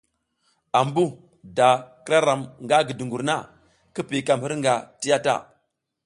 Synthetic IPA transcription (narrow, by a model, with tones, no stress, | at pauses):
a˨mbu˦ | da˨kɾa˦ɾa˨mŋɡa˦ɡi˨du˨ŋɡu˨ɾna˦ | ki˦pi˨ka˨mhi˦ɾŋɡa˨ti˦ja˦ta̰˦˨